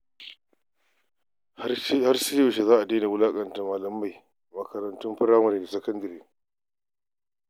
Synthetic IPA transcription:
ha˦rsɪ˦jo˨ʃe˨zaː˦ʔa˨deː˦ne˨wʊ˦laː˦kʼɐ˨nta˨maː˨lɐ˨mːa˦˨j | mɐ˨kɐ˨ɾɐ˨ntʊ˦mɸɪ˦ɾaː˦mɐ˨neː˨da˨sɐ˦kɐ˦ndɐ˨ɾiː˦

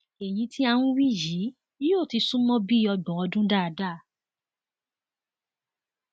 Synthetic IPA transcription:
e˨j̃ĩ˧tʰi˦a˧wũ˦wi˦ji˨˦ | i˦o˦˨ti˧sũ˦mɔ̃˦bi˦ɔ˧ɡ͡bɔ̃˨ɔ˧dũ˦da˦˨a˨da˦˨

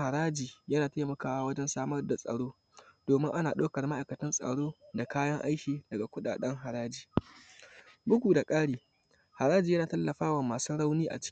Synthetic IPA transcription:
ha˨ɾaː˦d͡ʒiː˨jɐ˦naː˨taː˦mɐ˨kaː˨wa˦wɐ˦d͡ʒɛ˦nsaː˦mɐ˦rda˨sʼɐ̰˨ɽoː˦ | d̥oː˨mɪ˦ŋʔa˦naː˨ɗoː˦kɐ˨rma˦ʔa˨jkɐ˨tɐ˦nsʼɐ̰˨ɽoː˦da˨kaː˦jɐ˦ŋʔa̰˦jkʲiː˨dɐ˨ɡa˨kʷʊ˦ɗa̰ː˨ɗɛ˦ŋɦa˨ɽaː˦d͡ʒiː˨ | bʊ˦kʷuː˨da˨kʼaː˦ɽiː˨ | ha˨ɾaː˦d͡ʒiː˨jɐ˦naː˨tɐ˦lːɐ˨ɸaː˦wɐ˨mːaː˨su˦ɽa˦wniː˦ʔa̰˨t͡ʃɪ̥˦

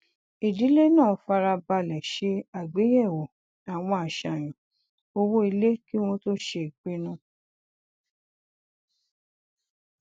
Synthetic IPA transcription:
i˨di˨˦le˦nãː˦˨fa˧ɾa˧ba˧lɛ˨ʃe˧a˨ɡ͡be˨˦jɛ˦˨wo˨ | a˨w̃ɔ̃˧a˨ʃa˨j̃ĩ˨ | o˧wo˦i˧le˦ki˦w̃ɔ̃˦to˦ʃe˧i˨k͡pe˦nũ˦

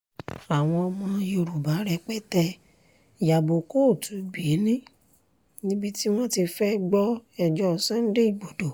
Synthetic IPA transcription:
a˨w̃ɔ̃˧ɔ˧mɔ̃˧jo˧ɾu˨ba˨˦ɾɛ˧k͡pɛ˦tɛ˧˨ | ja˨bo˨ko˦˨tu˨˦bi˨e˨˦nĩ˦ | nĩ˦bi˦ti˦w̃ɔ̃˦ti˧fɛ˦ɡ͡bɔ˦ɛ˨d͡ʒɔ˦˨sã˦n̩˦de˦i˦˨ɡ͡bo˨do˨

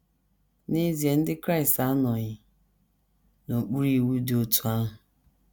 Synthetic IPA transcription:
ni˦zi˨e˨n̩˦dɪ˦kɾa˦˨ɪ˨sta˦nɔ˨ɲɪ˨ | no˨k͡pu˦ɾi˨wu˦dɪ˦o˦tu˦a˦ɦʊ˨

